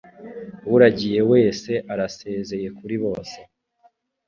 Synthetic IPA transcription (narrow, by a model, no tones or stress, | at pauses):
wuɾaɟije̞we̞ːse̞ʔaɾase̞ːze̞je̞kuɾiβo̞ːse̥